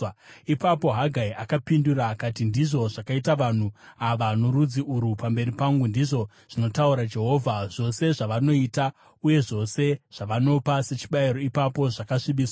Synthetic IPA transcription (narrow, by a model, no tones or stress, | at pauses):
ipapo̞ɦaɡʱaiakapinduraːkatindiʐo̞ʐakaitaʋan̤uaʋanoɾud͡ziuɾupambe̞ripaŋɡundiʐo̞ | ʐ̥ino̞tauɾad͡ʒe̞ɦo̞ːvʱaʐo̞se̞ʐaʋano̞ita | uje̞ʐo̞se̞ʐ̥aʋano̞pase̞t͡ʃi̥ɓaiɾo̞ipapo̞ʐakaʂiɓiːswa